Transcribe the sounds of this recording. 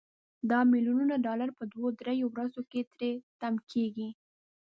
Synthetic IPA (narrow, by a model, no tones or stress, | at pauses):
d̪ɑmiljununaɖɑlaɾpəd̪wod̪ɾejowɾazoket̪ɾet̪amkʰeɡi